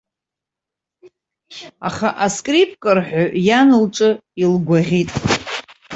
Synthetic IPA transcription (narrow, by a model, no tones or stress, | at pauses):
a̰χaʔaskʼripʼkʼɨrħʷᶣajanɨlʈ͡ʂʷʼɨilɡʷaʁʲitʼ